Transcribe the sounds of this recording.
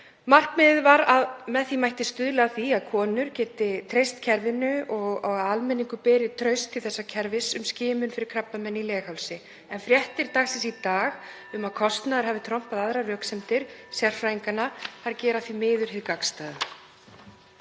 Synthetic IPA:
mar̥kmɪːðɪðvaɾaðmɛðθimajht̪ɪst̪ʏðlɛɣaθiaðkʰɔːnʏɾcɛːt̪ɪt̪ʰɾejst̪cʰɛɾvɪnʏɔɣaɣaðalmɛniŋkʏpɛːɾɪt̪ʰɾœɥst̪ʰːɪlθɛsːacʰɛɾvɪsʏmscɪːmʏnfɪɾɪɾ̥kʰɾapːamɛnːilɛːxawlsɪ | ɛnfɾjɛht̪ɪɾ̥t̪aːɣsɛsit̪aːɣ | ʏmaðkʰɔst̪naðɾ̥haːvɪt̪ʰɾɔm̥paðaðɾarœːksɛmt̪ɪɾ̥sjɛr̥fɾajiŋkanːahaɾcɛːɾaθimɪːðʏɾ̥hɪðkakst̪aːðʏ

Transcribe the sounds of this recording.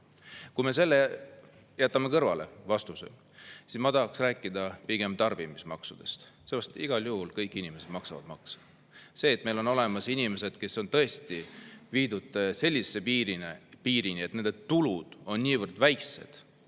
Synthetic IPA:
kujme̞s̬e̞lːe | jæt̪ːˑɑme̞kɤrvɑ̰le̞̰vɑst̪usḛ | sismɑt̪ɑɦɑksræːkːˑid̪ɑpiɡ̥emt̪ɑrb̥imismɑksud̪̥e̞st̪seːpɑst̪iɡ̥ɑljuhulkɤjkːˑinimese̞d̪̥mɑksɑvɑ̰d̪mɑksɑ̥ | se̞ːt̪me̞jlo̞no̞le̞mɑsinime̞se̞d̪̥ke̞so̞nt̪ɤ̞e̞st̪iviːd̪ut̪ːˑse̞lʲːisːepiːɾinepiːɾiniet̪nend̪e̞t̪ulud̪̥o̞nnʲiːvɤrd̪̥væjkse̞̰d̪̥

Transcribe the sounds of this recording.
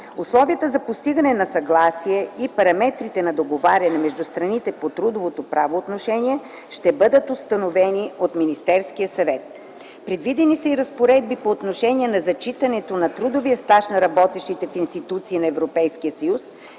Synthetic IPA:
ʊslˠɔviət̪əzɐpost̪iɡɐnɛnɐsɐɡlˠasiɛipɐɾɐmɛt̪ɾit̪ɛnɐd̪oɡovaɾʲɐnɛmɛʒd̪ʊst̪ɾɐnit̪ɛpot̪ɾud̪ovot̪opɾavoːt̪noʃɛniɛ | ʃt̪ɛbɤd̪ət̪ʊst̪ɐnovɛniot̪minist̪ɛɾskijəsɐvɛt̪̚ | pɾɛd̪vid̪ɛnisəiɾɐspoɾɛd̪̚bipoːt̪noʃɛnʲiɛnɐzɐt͡ʃit̪ɐnɛt̪onɐt̪ɾud̪oviəst̪aʃnɐɾɐbɔt̪ɛʃt̪it̪ɛfinst̪it̪ut̪siːnɐɛvɾopɛjskijəsɐjus

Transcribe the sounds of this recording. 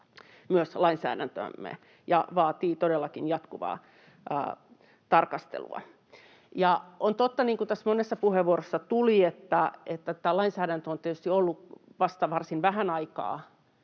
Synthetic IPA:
myøslɑinsæ̰ːdænt̪ø̰mːḛ | jɑ̰ʋɑːt̪iːt̪odelːɑkinjɑt̪kuʋɑ̰ː | ə̰ː | t̪ɑrkɑst̪ḛlṵɑ̰ | jɑont̪ot̪ːɑniːŋkut̪æsmonesːɑpuheʋuorosːɑt̪uliet̪ːæet̪ːæt̪ːæːlɑinsæːɾænt̪øont̪et̪yst̪iolːuʋɑst̪ɑʋɑrsinʋæhænɑikɑ̰ː

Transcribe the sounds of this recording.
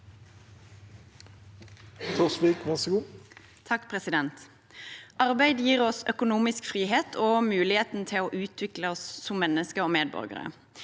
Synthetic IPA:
t̪ʰusʋiːkʋæʁsəɡuː | t̪ʰɑkːpʰʁɛsɪd̪ɛnt̪ | ʔɑʁbæɪd̪jiːʁɔsœkʊnuːmɪskfʁiːɦeːt̪ʰoːmʉːlɪheːt̪n̩t̪ʰɪloːʔʉːt̪ʰʋɪkləɔsːɔmmːɛnːəskəoːmeːd̪̚bɔ̰ʁɡə̰ɾə̰

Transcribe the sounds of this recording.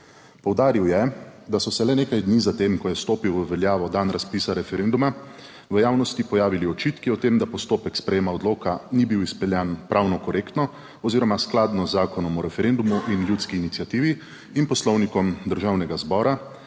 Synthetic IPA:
pɔwd̪aːɾiwjɛd̪asɔsɛlɛneːkajd̪niːzat̪eːmkɔjɛst̪oːpiwʋəʋɛljaːʋɔd̪anɾaspiːsaɾɛfɛɾend̪uma | ʋəjaːwnɔst̪ipɔjaːʋiliɔt͡ʃiːt̪kiɔt̪eːmd̪apɔst̪oːpɛkspɾɛjeːmaɔd̪loːkanibiwispɛljɛnpɾʔawnɔkɔɾeːkt̪nɔ | ɔziːɾɔmasklaːd̪nɔzːaːkɔnɔmɔɾɛfɛɾend̪umuʔinljuːt̪skiːnit̪sjat̪iːʋi | inpɔslɔwnikɔmd̪əɾʒaːwnɛɡazbɔːɾa

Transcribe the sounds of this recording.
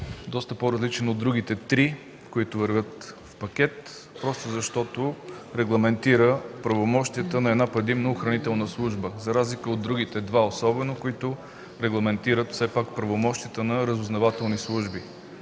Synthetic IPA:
d̪ɔst̪əpoɾɐzlit͡ʃɛnod̪ɾuɡit̪ɛt̪ɾi | koit̪ʊvɐɾvʲət̪fpɐkʲɛt̪ | pɾɔst̪ʊzɐʃt̪ɔt̪oɾɛɡlˠɐmɛnt̪iɾəpɾɐvomɔʃt̪ijət̪ənɐɛd̪napɾɛd̪imnəoxɾɐnit̪ɛlˠnəslˠuʒbəzɐɾazlikəod̪ːɾuɡ̟it̪ɛd̪vaosɔbɛnokoit̪ʊ | ɾɛɡlˠɐmɛnt̪iɾət̪fsɛpakpɾɐvomɔʃt̪ijət̪ənɐɾəzʊznɐvat̪ɛlˠnislˠuʒbi

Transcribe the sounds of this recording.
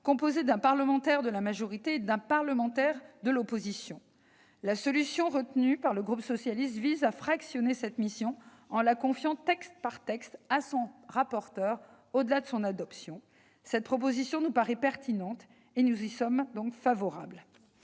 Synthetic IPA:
kɔ̃pozed̪ɛ̃paʁləmɑ̃t̪ɛʁd̪əlamaʒɔʁit̪eːd̪ɛ̃paʁləmɑ̃t̪ɛʁd̪əlopozisjɔ̃ | lasɔlysjɔ̃ʁət̪nypaʁləɡʁupsɔsjalist̪vizafχaksjɔnesɛt̪misjɔ̃ | ɑ̃lakɔ̃fjɑ̃t̪ɛkst̪̚paʁt̪ɛkst̪asɔ̃ʁapɔʁt̪œʁ | od̪əlad̪əsɔ̃nad̪ɔpsjɔ̃ | sɛt̪̚pχɔp̬ozisjɔ̃nupaʁɛpɛʁt̪inɑ̃t̪ | enuzisɔmd̪ɔ̃kfavɔʁabl

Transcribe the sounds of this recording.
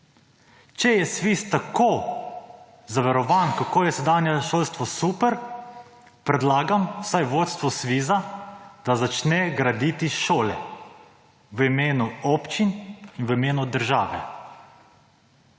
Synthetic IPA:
t͡ʃɛjɛsʋiːst̪akoː | zaʋɛɾɔʋaːnkakoːjɛsɛd̪aːnjɛʃoːlst̪ʋɔsuːpɛɾ | pɾɛd̪laːɡamwsajʋoːt̪st̪ʋɔsʋiːzad̪̥azat͡ʃnɛɡɾad̪it̪iʃoːlɛ | ʋimeːnuɔːpt͡ʃininʋimeːnud̪əɾʒa̰ːʋɛ̰

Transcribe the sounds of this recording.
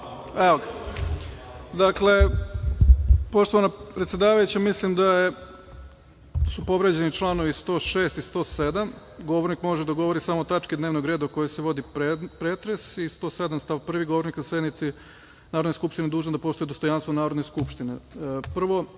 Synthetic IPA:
eok | d̪akle̞ | po̞ʃt̪oʋanapɾet̪sjed̪aːʋajut͡ɕamislimd̪aje | supo̞ʋɾed͡ʑe̞nit͡ʃlˠaːno̞ʋist̪o̞ːʃe̞ːst̪ist̪o̞ːsed̪am | ɡo̞ʋoɾnikmo̞ʒed̪aɡo̞ʋo̞ɾisamot̪at͡ʃkid̪neʋnoɡɾed̪aoko̞jojseʋo̞d̪ipɾeːt̪ɾe̞sist̪o̞ːsed̪amst̪aʋpr̩ʋiɡoʋo̞ɾniknase̞d̪nit̪si | naːɾod̪neskupʃt̪ined̪uːʒnod̪apo̞ʃt̪ujed̪o̞st̪ojaːnst̪ʋonaːɾod̪neskupʃt̪inḛpr̩ʋo̞

